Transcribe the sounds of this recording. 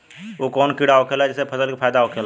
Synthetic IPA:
okɔːnkiɽaokʰelaɛd͡ʒesepʰəsəlkipʰaːjd̪aɦokʰeːl

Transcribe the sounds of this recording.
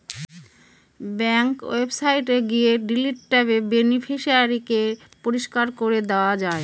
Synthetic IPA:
bɛŋkwebsajʈeɡieɖiliʈ̚ʈɛbebenifʰiʃiaɾike | poɾiʃkaɾkoɾed̪eoad͡ʑae

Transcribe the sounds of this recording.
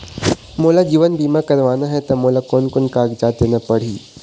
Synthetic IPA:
molad͡ʑiːʋənbiːmakɐɾʋaːnaɦɛt̪ɐmoːlakoːnkonkaːɡd͡ʒat̪enapəɽ̤iː

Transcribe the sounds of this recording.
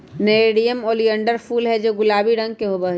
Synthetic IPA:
neɽijəmoːliəɳɖəɾpʰuːlɦɛd͡ʒoɡʊlaːbiɾə̃ŋɡkeɦobəɦ

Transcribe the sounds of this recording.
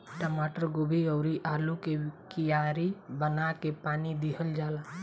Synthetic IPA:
ʈəmaːʈəɾɡʊbʱiɔːɾiʔaːlũkekijaːɾibənakepaːnid̪ɪɦəld͡ʒaːlaː

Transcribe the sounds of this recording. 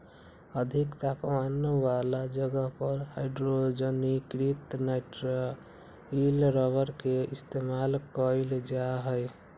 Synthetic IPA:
əd̪ʱikt̪apmanwalad͡ʒəɡəɦpəɾɦaɪɖɾod͡ʒənikɾit̪naʈɾa | ilɾɔʋəɾkeist̪emalkəld͡ʒaɦəj

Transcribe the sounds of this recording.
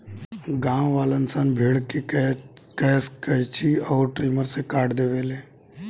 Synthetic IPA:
ɡãːwʋaːlənsənbʱeːɽki | kɛːskəjt͡ʃiɔːɾʈɾiːməɾsekaːɽd̪eːʋeːleː

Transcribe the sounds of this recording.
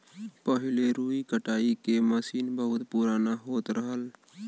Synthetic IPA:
pəɦɪleɾuːikəʈaːikeməsiːnbəɦʊt̪puɾaːnaɦoːt̪ɾəɦəl

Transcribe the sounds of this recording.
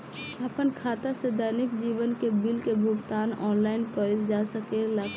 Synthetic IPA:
əpənkʰaːt̪ased̪ənɪkd͡ʒiːʋənkebɪlkebʱʊɡt̪aːnɔːnlaːɪnkəld͡ʒasəkelak

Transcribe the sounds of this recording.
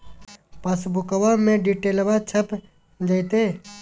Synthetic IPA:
pəsbʊkəʋãmẽɖiʈeːlbat͡ʃʰəp | d͡ʒəjt̪ẽː

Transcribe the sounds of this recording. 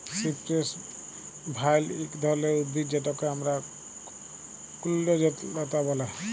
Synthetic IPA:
sipɾes | bʱajlekd̪ʱɔɾleud̪bʱid͡ʒeʈɔkeɦamɾa | kulːɔd͡ʒɔt̪ːɔt̪abɔla

